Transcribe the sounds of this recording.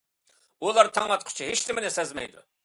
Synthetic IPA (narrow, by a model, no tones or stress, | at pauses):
ulˠɑɾt̪ʰɑŋɑt̪qʰʊ̥t͡ʃʰiɦeʃlɪmɪnɪsɛzmɛ̰jd̪ṵ